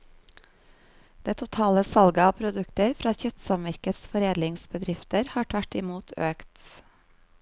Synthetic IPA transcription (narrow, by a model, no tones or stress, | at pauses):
d̪̥eːt̪ʰʊt̪ʰɑːləsɑlɡəɑːpʰɾʊd̪ʉkt̪əɾfɾɑːçœt̪sɑmmæɾkət̪sfɔɾeːd̪lɪŋsbəd̪ɾɪft̪əɾhɑːʈʰʋæʈɪmuːt̪ʰøːkt̪